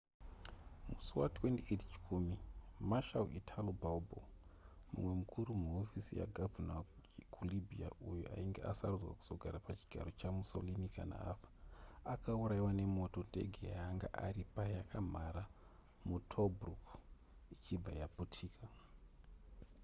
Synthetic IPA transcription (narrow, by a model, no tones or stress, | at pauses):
musuwatʰwe̞ntietit͡ʃi̥kʰumimaʃalʔitʰalobabomṵmwe̞mukʰuɾumuɦo̞fisija̰ɡʱavunakʰulibʱia̰ʔujua̰iŋɡḛʔasarud͡zwa̰ku̥z̥o̞ɡʱaɾapat͡ʃi̥ɡ̥ʱa̰ɾo̞t͡ʃamuso̰linikana̰afḁakauɾaiwane̞mo̞to̞nde̞̰ɡʱejaːŋɡa̰ʔaɾipajakʰam̤aɾa | mutʰobruk | it͡ʃib͡vajaputʰiːka